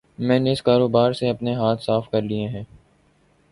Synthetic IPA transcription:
mɛ̃ːneɪskaːɾoːbaːɾseɐpneɦaːt̪ʰsaːfkɐɾlieɦɛ̃ː

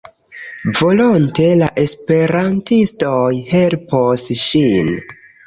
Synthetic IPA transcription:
vo̞lonte̞laʔe̞spe̞ɾantistojhe̞lposʃin

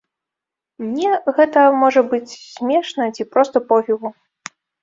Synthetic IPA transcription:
mnʲɛɣɛt̪ɐmɔʐɐbɨt͡sʲsʲmʲɛʂnɐt͡sʲipɾɔst̪ɐpɔvʲiɣu

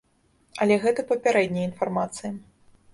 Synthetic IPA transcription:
ɐlʲɛɣɛt̪ɐpɐpʲaɾɛd̪ʲnʲɐjinfarmat̪sɨji

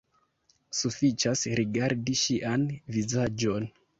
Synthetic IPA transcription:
sufit͡ʃasɾiɡaɾdiʃiʔanvizad͡ʒo̞n

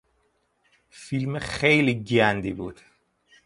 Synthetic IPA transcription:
filmexejliɟænd̪iːbṵːd̪̥

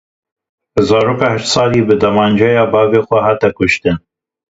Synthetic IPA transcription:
bɨzɑːɾoːkɑːhɨʃt̪sɑːliːbɨd̪ɐmɑːnd͡ʒɛjɑːbɑːveːxʷɛɦɑːt̪ɛkʊʃt̪ɨn

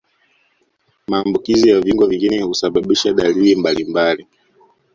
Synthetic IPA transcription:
maːmbukizijaviŋɡwaviŋɡinɛhusaɓaɓiʃaɗalilimbalimbali

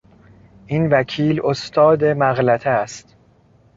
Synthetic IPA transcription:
ʔinvækʰiːlost̪ʰɒːd̪e̞mæɣlæt̪ʰæst̪

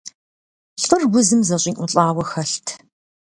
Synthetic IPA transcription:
ɬɨrwʷʊzɨmzɐɕʼiːŋʔʷʊɬʼaːwɐxɐɬtʰ

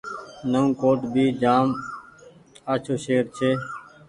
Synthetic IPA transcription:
nəũːkoːʈbʱiːd͡ʒaːm | aːt͡ʃʰoːʃeːɾt͡ʃʰeː

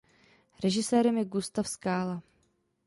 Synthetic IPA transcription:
ɾɛʒɪsɛːɾɛmjɛɡust̪afskaːla

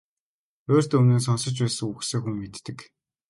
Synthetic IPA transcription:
oːrt̪ɵmneːs̬ɔnsə̆t͡ɕpæːsɘ̆ŋuxseːxuŋmet̪ːɘ̆k

